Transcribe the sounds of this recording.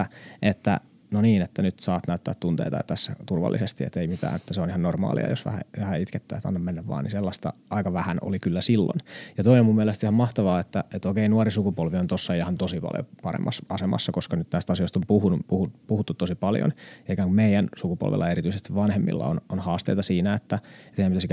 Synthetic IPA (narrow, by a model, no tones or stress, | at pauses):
ʔet̪ːæ̰ | noniːnet̪ːænyt̪sɑːt̪næyt̪ːæ̰ːt̪t̪unt̪ḛit̪ɑjɑ̰t̪æsːæt̪urʋɑ̰lːʔisest̪iḛt̪eimit̪æ̰ːnet̪ːæseonihɑnnormɑ̰ːlḭɑ̰josʋæ̰hæ̰ʋæhæit̪ket̪ːæːt̪ɑ̰nːɑmenːæʋʋɑ̰ːnḭselːɑst̪ɑ̰ɑikɑʋæhæno̰likylːæsilːo̰njɑt̪oiomumːieælest̪ihɑmɑht̪ɑʋɑːet̪ːæet̪okeinuɑrisukupolʋiont̪osːɑjɑhɑnt̪osipɑ̰ljo̰pɑɾḛmːɑsɑsemɑ̰sːɑkoskɑnyt̪næist̪ɑsijoist̪ompuhunupuhupuhut̪ːut̪t̪ːosipɑljo̰njɑikæːŋkummeijænsukupo̰lʋḛlːɑeɾit̪yisest̪iʋʋɑnhemːḭlːɑ̰o̰nonhɑːst̪eijt̪ɑsiːnæet̪ːæet̪eijæmpit̪æsikæ